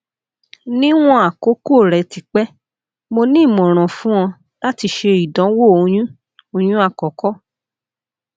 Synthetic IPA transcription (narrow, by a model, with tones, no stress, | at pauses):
nĩ˦w̃ɔ̃˦a˦˨ko˨˦ko˦˨ɾɛ˨ti˨k͡pɛ˦ | mo˧nĩ˦˨mɔ̃˨ɾ̃ɔ̃˨fũ˦ɔ̃˧ | la˦ti˧ʃe˧i˨dɔ̃˨˦wo˦o˧j̃ũ˦ | o˧˨j̃ũ˦a˦˨kɔ˨kɔ˦